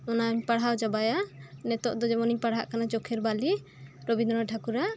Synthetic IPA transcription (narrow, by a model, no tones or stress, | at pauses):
ɔnapaɽɦawd͡ʒabajanɛt̪ɔʔd̪ɔd͡ʒɛmɔniɲpaɽ̤ɦa̰ʔkanat͡ʃɔkʰɛɾbali | ɾobind̪ɔ̃ɾɔʈʰakuɾa